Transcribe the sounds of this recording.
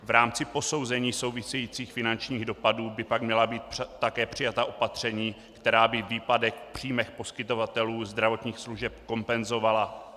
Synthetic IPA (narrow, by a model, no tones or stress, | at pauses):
vɾaːmt͡sɪpo̞so̞wzɛɲiːso̞wvɪsɛjiːt͡siːxfɪnant͡ʃɲiːɣdo̞paduːbɪpaɡmɲɛlabiːt̪̚t̪akɛːpr̥ɪjat̪aʔo̞pat̪r̝̥ɛɲiː | kt̪ɛɾaːbɪviːpadɛxpr̝̥iːmɛxpo̞skɪt̪o̞vat̪ɛluːzd̪ɾavo̞t̪ɲiːxsluʒɛpko̞mpɛnzo̞vala